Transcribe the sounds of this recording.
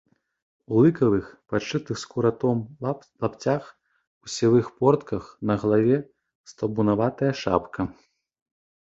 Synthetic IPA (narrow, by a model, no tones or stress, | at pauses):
ulˠɨkɐvɨxpat͡ʂɨt̪ɨxskuɾat̪ɔm | lˠapt͡sʲax | usʲivɨxpɔrt̪kɐxnɐɣlˠavʲɛ | st̪ɐbunavat̪ɐjɐʂa̰pkʰɐ